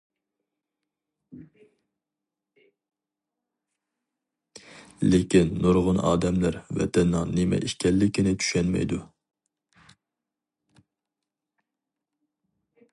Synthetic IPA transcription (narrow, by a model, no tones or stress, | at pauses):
lekʲinːoɾʁʊnʔɑ̰ːd̪ɛmlæɾvɛ̰t̪ʰɛnːɪŋnɪmɛ̰ʔiʃkʲʰɛlːɪkʲinɪt͡ʃ̪ʰy̥ʃɛnmɛ̰jd̪u